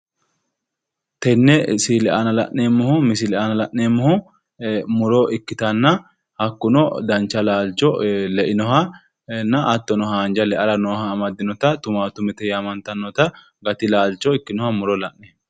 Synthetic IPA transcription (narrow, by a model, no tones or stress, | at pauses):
t̪ɛnːɛsilɛʔa̰nɐlɐ̰ʔneːmːɔhʊmɪsɪlɛʔanɐlɐʔnːeːmːɔhʊ | mʊɾɔʔɪkːɪt̪ɐnːɐ | hɐkːʊnɔd̪ɐnt͡ʃːɐlaːlt͡ʃɔlɛʔɪnɔɦɐ | nːɐʔɐt̪ːɔnɔɦaːnd͡ʒɐlɛʔɐɾɐnɔːhɐːmɐd̪ːɪnɔt̪ɐt̪ʊmaːt̪ʊmɛt̪ɛjamɐnt̪ɐnːɔt̪ɐ | ɡɐt̪ɪlaːlt͡ʃːɔɪkːɪnɔhɐmʊɾɔlɐʔne